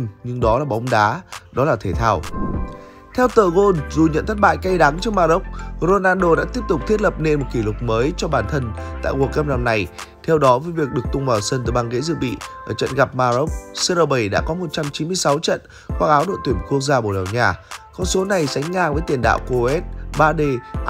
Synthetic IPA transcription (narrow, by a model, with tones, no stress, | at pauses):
nɲɨ˧ŋɗɔ˨˦laː˨˩ɓa˨˦wŋ͡mɗaː˨˦ɗɔ˨˦laː˨˩t̪ʰe˧˩t̪ʰaː˧w | t̪ʰɛ˧wt̪əː˧˨˩ɣo˧nzu˨˩ɲə̰˧˨nt̪ʰə˦˥t̚ɓa̰ː˧˨jka˧jɗa˨˦ŋt͡ɕɔ˧ŋmaː˧ɾo˦˥k͡p̚ɾo˧naː˧nɗo˧ɗa̰ː˧˥t̪i˦˥əp̚t̪ʊ˨˩k͡p̚t̪ʰi˦˥ət̚lə˨˩p̚ne˧nmo˨˩t̚ki˧˩lʊ˨˩k͡p̚məː˨˦jt͡ɕɔ˧ɓaː˧˩nt̪ʰə˧nt̪a̰ː˧˨jku˨˩əkə˧p̚mna˧˩mna˨˩jt̪ʰɛ˧wɗɔ˨˦və˨˦jvi˨˩ək̚ɗɨ˨˩ək̚t̪ʊ˧ŋ͡mvaː˨˩wsə˧nt̪ɨː˨˧˩ɓaː˧nɣə̰˧˥zɨ̰˧˨ɓḭ˧˨ʔəː˧˩t͡ɕə̰˧˨nɣa˨˩p̚maː˧zo˦˥k͡p̚sə˧ɾəː˧ɓə˨˩jɗa̰ː˧˥kɔ˨˦mo˨˩t̚t͡ɕa˧mt͡ɕi˨˦mɨ˧əjsa˨˦wt͡ɕə̰˧˨n | xwaː˧ʔaː˨˦wɗo̰˧˨t̪wi˧˩əmku˦˥ək̚zaː˧ɓo˧˩ɗa̰˨˩wɲaː˨˩kɔ˧nso˨˦na˨˩jsa˨˦jŋ̟ːaː˧vəː˨˦jt̪i˧˩ənɗa̰ː˧˨wko˨˧˩ɛ˦˥t̚ɓaː˧ɗe˧